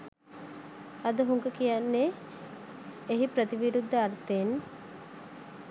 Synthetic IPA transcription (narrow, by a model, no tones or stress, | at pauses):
ɐd̪uɦuŋɡəkijanːeː | ɦipɾət̪iʋiɾud̪ːəaɾt̪en